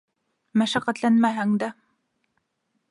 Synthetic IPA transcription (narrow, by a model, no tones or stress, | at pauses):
mæʃæqːæt̪lænmæɦæŋd̪æ